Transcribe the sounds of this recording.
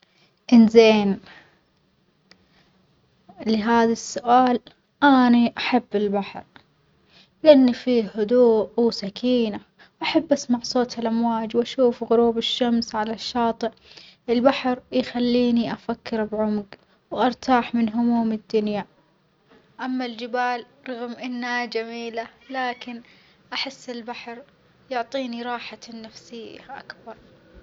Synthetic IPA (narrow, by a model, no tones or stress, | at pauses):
ʔɪnzeːn | lɪɦaːðasːʊʔaːl | ʔaniʔaħabːɪlbaħɾ | lɪʔanːifihʊd̪uːʔwsakʰiːna | wʔaħabːʔasmaʕsˤoːt̪halʔamwaːd͡ʒwʔaʃuːfɣʊɾuːbɪʃːamsʕalaʃːɑːt̪ˤɨʔʔɪlbaħɾjxalːiːniʔafakːɪɾbʕʊmɡ | wʔɑɾˤt̪ʰaːħmɪnɦʊmuːmɪd̪ːʊnja | ʔamːald͡ʒɪbaːl | ɾˤɑɣmʔɪnːad͡ʒamiːlalaːkɪn | ʔaħɪsːɪlbaħɾ | jʊʕt̪ˤiːniɾˤɑːħanːafsɪjːa̰ʔa̰kbɑɾˤ